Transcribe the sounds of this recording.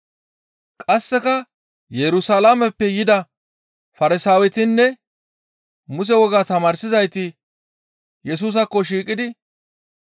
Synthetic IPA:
kʼɐsːɛkɐ | jɛɾʊsalamɛpːɛjɪd̪ɐ | fɐɾɪsaːwɛt̪ɪnːɛ | mʊs̬ɛwɔɡaːt̪ɐmaːɾsɪzɐjt̪ɪ | jɛs̬uːs̬ɐkːɔʃ̬iːkʼɪd̪ɪ

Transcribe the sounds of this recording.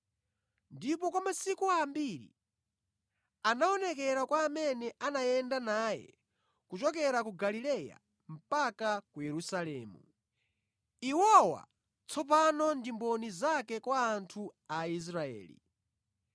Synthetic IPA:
ndip̬ɔkwamasikuambiɾḭ | anaɔnɛkɛɾakwaːmɛnɛʔanajɛndanaːjɛ̰ | kut͡ʃɔk̬ɛɾakuɡalilɛja̰ | m̩pakakujɛɾusalɛ̰ːmu | iwɔwa̰ | t͡sʰɔp̬anɔndimbɔnizakɛkwaːntʰuais̬ɾaɛ̰ːlḭ

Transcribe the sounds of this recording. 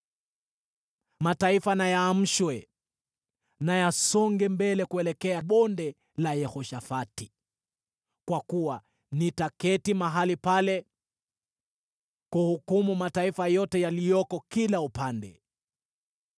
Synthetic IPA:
mataifanajaːm̩ʃwɛ | najasɔŋɡɛmbɛlɛkuɛlɛkɛaɓɔndɛ | lajɛhɔʃafati | kwakuwa | nitakɛtimaɦalipalɛ | kuhukumumataifajɔtɛjalijɔkɔkilaupandɛ̰

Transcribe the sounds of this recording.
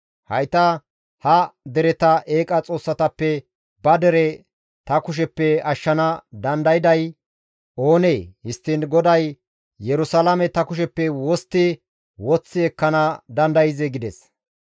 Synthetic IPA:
hɐjt̪ɐ | hɐd̪ɛɾɛt̪ɐʔe̞ːkʼɐt͡sʼo̞ːsːɐt̪ɐpːɛ | bɐd̪ɛɾɛ | t̪ɐkʊʃ̬ɛpːɛɐʃːɐnɐd̪ɐnd̪ɐjɪd̪ɐj | o̞ːneːhɪst̪ːɪnɡɔd̪ɐj | jɛɾʊsɐlɐmɛt̪ɐkʊʃ̬ɛpːɛwɔst̪ːɪ | wɔt͡sːɪɛkːɐnɐd̪ɐnd̪ɐjɪzɛɡɪd̪ɛs

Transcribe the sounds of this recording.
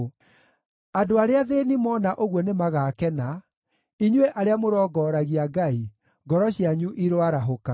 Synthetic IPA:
adoaɾeaðenimɔnaʔoɣwɔnemaɣaːkɛna | iɲweʔaɾeamoɾɔɡɔːɾaɣiaɡai | ɡɔɾɔɕiaɲuʔiɾowaɾaɦoka

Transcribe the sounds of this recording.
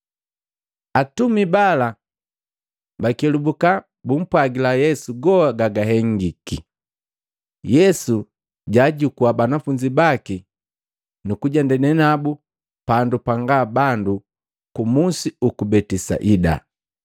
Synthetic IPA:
atumibala | bakɛlubuka | bum̩pwaɡilajɛsuɡɔaɡaɡaɦɛŋɡiki | jɛsu | ɟaːɟukuabanafuɲd͡ʒibaki | nukuɟandɛnɛnabu | pandupaŋɡaːbandu | kumusiukubɛtisa̰ʔida̰

